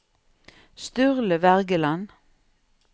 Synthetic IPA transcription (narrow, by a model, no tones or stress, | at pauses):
st̪ʉʁləʋæʁɡəlɑn